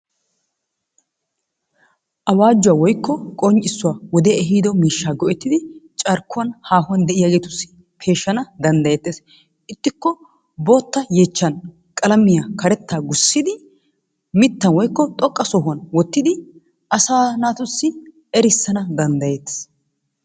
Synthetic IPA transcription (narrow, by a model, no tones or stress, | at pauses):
ʔɐwaːd͡ʒːʊwaːwɔjkːɔkʼɔnt͡ʃʼɪsːʊwaːwɔd̪ɛɛɦiːd̪ɔmiːʃːaːɡɔʔɛt̪ːɪd̪ɪt͡ʃʼɐɾkːʊwɐnhaːhʊwɐnd̪ɛʔɪjaːɡeːt̪ʊsːɪ̥ | pʰe̞ːʃːɐnɐd̪ɐnd̪ɐjeːt̪ːeːs | ʔɪt̪ːɪkːɔ | bo̞ːt̪ːɐje̞ːt͡ʃːɐn | kʼɐlɐmɪjakɐɾɛt̪ːaːɡʊsːɪd̪ɪ | mɪt̪ːɐnwɔjkːɔt̪ʼɔkʼːɐsɔɦʊɐnwɔt̪ːɪd̪ɪ | ʔɐsaːnaːt̪ʊsːɪ | ɛɾɪsːɐnɐd̪ɐnd̪ɐjeːt̪ːe̥ːs